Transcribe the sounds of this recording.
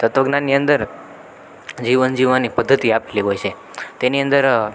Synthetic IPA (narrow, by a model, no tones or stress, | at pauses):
t̪ət̪ʋəɡnanːiə̃nd̪əɾ | d͡ʒiʋənd͡ʒiʋanipəd̪ʱːət̪iapliɦojt͡ʃʰe | t̪eniənd̪əɾ